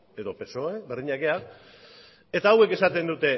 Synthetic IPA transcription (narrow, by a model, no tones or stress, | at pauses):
e̞ðo̞pe̞soaeβerðiɲake̞a | e̞t̪aːwe̞ke̞sat̪e̞nd̪ut̪e̞